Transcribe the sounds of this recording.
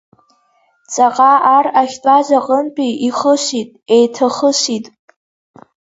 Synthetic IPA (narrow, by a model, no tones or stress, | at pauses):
t͡sʼaqʼaaraχʲtʷʼazaqʼəmpʼiiχəʃʷitʼejtʰaχəʃitʼ